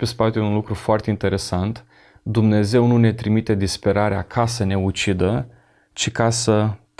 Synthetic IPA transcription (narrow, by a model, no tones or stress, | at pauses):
pe̞spat̪eunlukɾufoart̪e̞int̪e̞ɾe̞sant̪ | d̪umne̞ze̞wnune̞t̪ɾimit̪e̞d̪ispe̞ɾaɾeakʰasəne̞ut͡ʃid̪ə | t͡ʃikasə